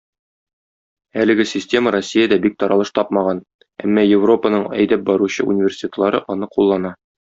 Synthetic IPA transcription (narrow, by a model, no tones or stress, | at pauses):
ælɘ̆ɡɘsʲɪsʲtʲe̞məɾosʲːijəd̪æbik̚t̪ɒɾɑlˠɤ̥̆ʃt̪ɒpmɑʁɑn | æ̰mːɑjɪvro̞pənɤɴæ̰jd̪æp̚bɒɾuɕɤṵnʲɪvʲersʲɪ̥tʲet̪əlˠɑɾɤʔɒnɤqulˠːɑnɑ